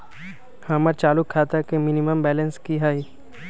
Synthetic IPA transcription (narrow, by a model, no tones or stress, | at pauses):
hɐməɾt͡ʃaːlukʰːaːt̪akemɪniməmbɛːlənskiɦai